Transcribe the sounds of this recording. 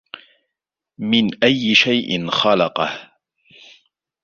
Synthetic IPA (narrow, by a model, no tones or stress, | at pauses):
mɪnʔajːɪʃajʔɪ̰nxɑlɑqɑh